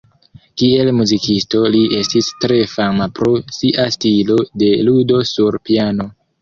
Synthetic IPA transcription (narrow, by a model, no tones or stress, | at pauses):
kie̞lmuzikisto̞liʔe̞stistɾe̞famapɾo̞siʔastilo̞de̞ludo̞suɾpiano̞